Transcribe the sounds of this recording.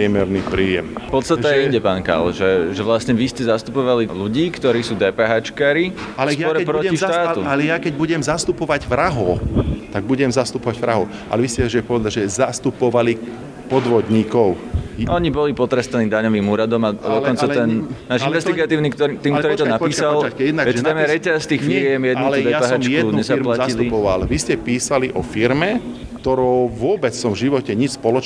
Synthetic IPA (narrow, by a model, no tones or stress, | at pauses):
ɛmɛɾnipɾiːjɛ̰mfpɔt̪st̪att̪ɛjɛiɲɟɛpaːnka̰lʒɛʒɛʋlasɲɛʋiscɛzast̪upɔʋaliluɟiːkt̪ɔɾiːsuːd̪ɛːpɛːɦaːt͡ʃkaːɾiskɔɾɛpɾɔciʃt̪aːuljakɛɟbuɟɛmzast̪upɔʋaɟvɾaɦɔt̪aɡ̚buɟɛmzast̪upɔʋaɟʋɾaɦɔ | ʔa̰lɛʋiscɛʒɛpɔʋɛd̪aɟʒɛzast̪upɔʋali | pɔd̪ʋɔd̪ɲiːkɔʊʔɔɲibɔlipɔt̪ɾɛst̪aniːd̪aɲɔʋiːmuːɾad̪ɔmad̪ɔkɔnt͡sat̪ɛnnaːʃinʋɛsiɡat̪iːʊnikt̪ɔɾit̪iːmkt̪ɔɾiːt̪ɔnapiːsalʋɛt̪amɛɾɛcast̪iːxfiɾɪɛmjɛd̪nuud̪ɛpɛɦat͡ʃkɛuɲɛzaplaciliɔʋalʋiscɛpiːsaliʔɔfiɾmɛkt̪ɔɾɔʊʋʊɔbɛt͡ssɔmvʒiʋɔcɛɲit͡ʃspɔlɔt͡ʃ